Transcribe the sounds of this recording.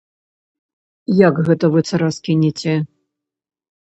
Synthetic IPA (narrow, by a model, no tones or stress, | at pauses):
jakɣɛt̪ɐvɨt̪sɐɾaskʲinʲit͡sʲɛ